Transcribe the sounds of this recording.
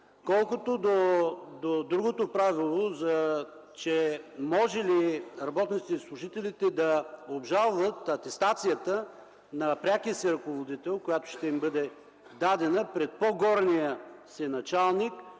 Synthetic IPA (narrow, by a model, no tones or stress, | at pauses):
kɔlˠkot̪od̪od̪od̪ɾuɡot̪opɾavilˠozɐ | t͡ʃɛmɔʒɛliɾɐbɔt̪nit̪t̪ɛislˠʊʒit̪ɛlit̪ɛd̪ɐobʒalˠvət̪ɐt̪ɛst̪at̪sijət̪ə | nɐpɾʲakiəsiɾɐkovod̪it̪ɛlˠkojat̪o̥ʃt̪ɛimbɤd̪ɛ | d̪ad̪ɛnəpɾɛt̪̚poɡɔɾnijəsinɐt͡ʃalˠnik